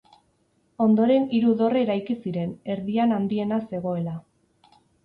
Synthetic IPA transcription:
o̞nd̪o̞ɾe̞niɾuðo̞reːɾajkisiɾe̞ne̞ɾðianand̪ie̞nase̞ɣ̞o̞e̞la

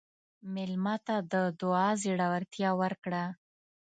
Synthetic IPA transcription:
mɪlmat̪ad̪əd̪ʊɑziɽawaɾt̪jɑwəɾkɽa

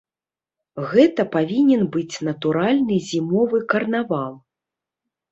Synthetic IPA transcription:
ɣɛt̪ɐpavʲinʲɛnbɨt͡sʲnɐt̪uɾalʲnɨzʲimɔvɨkɐrnavalˠ

